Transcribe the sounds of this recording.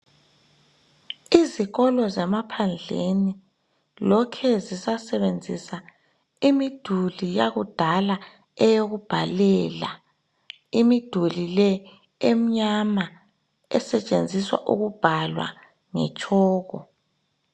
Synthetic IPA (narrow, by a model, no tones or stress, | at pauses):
iziɣɔlɔzɛmapʰand͡ɮʱeni | lɔkʰɛzisasɛβend͡zʱisa | imid̥ʱulijaɣud̥ʱala | ɛjoɣub̥ʱalɛːla | imid̥ʱulilɛ | em̩ɲama | ɛsɛt͡ʃʼend͡zʱiswa̰ʔuɣub̥ʱalwa̰ | ŋɛ̰t͡ʃʼɔːɣɔ